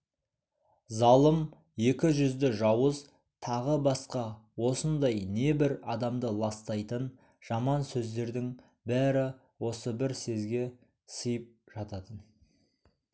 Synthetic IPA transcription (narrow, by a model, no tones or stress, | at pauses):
zɑlˠəm | je̞kʲɪʒʏzd̪ɪʒɑwəz | t̪ʰɑʁəbɑsqɑwo̞sənd̪ɑjne̞bɪɾɑd̪ɑmd̪əlˠɑst̪ɑjt̪ən | ʒ̥ɑmɑnsɵzd̪e̞ɾd̪ɪŋ | bæɾɪ | wo̞səbɪɾse̞zɡʲe̞ | səjəp̚ʒ̥ɑt̪ɑt̪ən